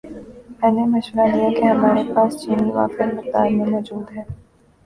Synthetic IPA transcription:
mɛ̃ːnemɐʃʋəɾakijakeɦɐmaːɾepaːst͡ʃiːniʋa̰ːkemɪt̪aːɾmẽmɔːd͡ʒuːd̪ɦɛː

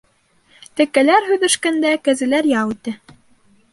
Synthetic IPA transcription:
t̪ɘ̆kːælæɾɦʉ̆ðɘ̆ʃkænd̪ækæzɘ̆læɾjɑʁʉt̪ɘ

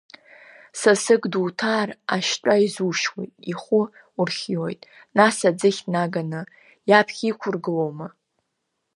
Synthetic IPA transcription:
sasɨɡduːtʰaːraʃt͡ʃʷʼaizuʃwḛtʼiχʷʊ | urχʲjojtʼ | nasad͡zɨχʲnaɡanɨ | japʰχʲikʷʰʊrɡɨlowmɨ

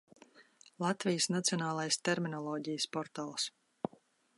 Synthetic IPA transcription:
lˠat̪vʲijəsnat̪siɔnaːlˠajst̪ɛɾminɔlˠɔːɟijspɔɾt̪aːlˠs

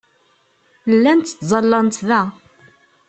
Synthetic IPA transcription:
lːænt̪ːə̥t̪zˤɑlːɑnt̪ðæ

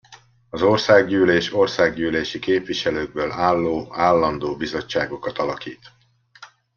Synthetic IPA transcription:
ɒzo̞rsaːɡɟyːleːʃo̞rsaːɡɟyːleːʃikeːpʋiʃɛløːɡ̚bøːlaːlːoːaːlːɒnd̪oːbizo̞t͡ʃːaːɡo̞kɒt̪ɒlɒkiːt̪

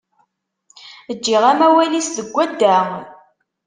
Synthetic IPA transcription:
əd͡ʒːiʁæmæwælisðəɡʷːæd̪ːæ

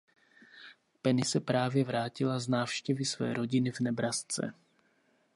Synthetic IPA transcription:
pɛnɪsɛpɾaːvjɛvɾaːcɪlaznaːfʃcɛvɪsvɛ̰ːɾo̞ɟɪnɪvnɛbɾast͡sɛ̰

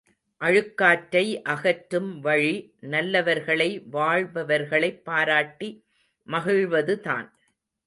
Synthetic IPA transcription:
ʔɐɻɯkːaːʈːɐɪʔɐɣɐʈɾɯmʋɐɻi | nɐlːɐʋɐɾɣɐɭɐɪʋaːɻbɐʋɐɾɣɐɭɐɪpːaːɾaːʈːi | mɐɣɪɻʋɐðɯt̪a̰ːn

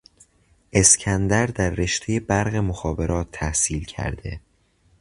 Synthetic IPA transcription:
ʔe̞scʰænd̪æɾd̪æɾːe̞ʃt̪ʰeje̞bæɾɣemoxɒːbe̞ɾʔɒːt̪ʰːæhsiːlcʰæ̰ɾd̪e̞̰

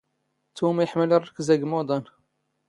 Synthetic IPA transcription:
t̪umjəħməlirˤːəkːəzæɡmod̪ˤɑn

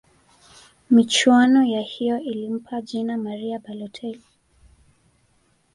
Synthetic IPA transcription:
mit͡ʃwanɔjahijɔʔilim̩pʰaʄinamaɾiabalɔtʰɛli

